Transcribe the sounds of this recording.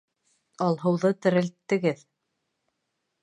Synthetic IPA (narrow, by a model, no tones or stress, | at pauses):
ɑlˠɦɤ̆wðɤt̪ɘ̆ɾɘ̆lt̪ːɘ̆ɡɘð